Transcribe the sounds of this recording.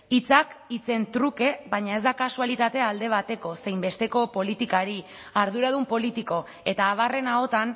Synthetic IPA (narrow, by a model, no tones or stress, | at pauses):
it͡sakit͡se̞nt̪ɾuke̞βaɲae̞zd̪akasualit̪at̪e̞ald̪e̞β̞at̪e̞ko̞se̞jmbe̞st̪e̞ko̞po̞lit̪ikaɾi | aɾð̞uɾað̞umpo̞lit̪iko̞ | e̞t̪aːβ̞are̞nao̞t̪an